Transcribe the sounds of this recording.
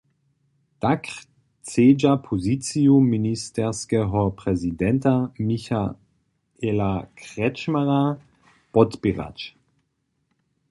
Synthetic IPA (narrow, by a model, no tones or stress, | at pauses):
d̥ak | t͡seːd͡ʒapʰozit͡siuministʰɛɐskɛɦɔpʁ̥ɛzidɛntamiça | elakʁ̥ɛt͡ʃmaʁa | b̥ɔtbiʁa̰t͡ʃ